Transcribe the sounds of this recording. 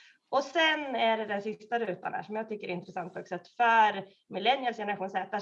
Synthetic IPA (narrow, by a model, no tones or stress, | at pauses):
ɔsɛnæɖɛd̪ɛnsɪst̪aɾʉ̟ːt̪a̰nhæ̰ːʂɔmjɑːɡt̪ʰʏkːəɾɛɾɪnt̪ɾɛsant̪̚ʰɔksɛt̪ːfœɾ | mɪlɛnjəlsjɛnɾaɧuːnsɛːt̪a